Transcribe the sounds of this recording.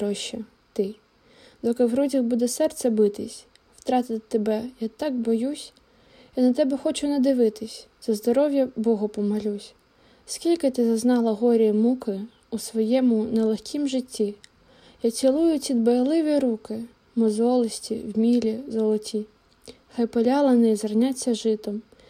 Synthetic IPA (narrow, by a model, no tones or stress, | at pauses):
ɾɔʃɛ | t̪ɪ | d̪ɔkɪwɾɔzʲɐɣbud̪ɛsɛrt̪sɛbɪt̪ɪsʲ | w̥t̪ɾɑt̪ɪt̪ɪt̪ebɛjat̪ɑɡ̚bɔjusʲ | inɐt̪ɛbɛxɔt͡ʃʊnɐd̪ɪʋɪt̪ɪsʲzɐzd̪ɔɾɔʋʲjɐbɔɦɔpɔmɐlʲusʲ | skʲilʲkɪt̪ɪzɐznɑlˠɐɦɔɾʲijimukɪ | usʋɔjɛmʊnɛlˠexʲkʲʰimʒɪtʲːi | jat͡sʲilˠujʊtʲid̪bɐjelˠɪʋʲiɾukɪ | mɔzɔlˠɪsʲtʲḭwmʲilʲizɔlˠɔtʲi | xɑjpɔlʲɑlˠɐnɪizɐrnʲat͡sʲːɐʒɪt̪ɔm